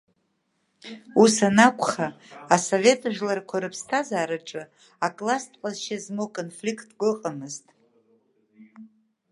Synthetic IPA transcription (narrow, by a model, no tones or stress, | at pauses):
usanakʷʰʼχaːsovʲe̞tʼaʒlarkʷʰaɾɨpʰstʰazaːɾaʈ͡ʂʼɨ | akʼlastʼqʼazʃazmokʼonflʲikʰʼtʰʼɡʷɨqʼamɨztʼ